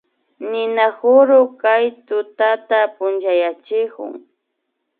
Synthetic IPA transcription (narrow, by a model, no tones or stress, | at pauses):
nɪnaxʊɾʊkajt̪ʊt̪at̪apʊnt͡ʃajat͡ʃɪkʊ̰ŋ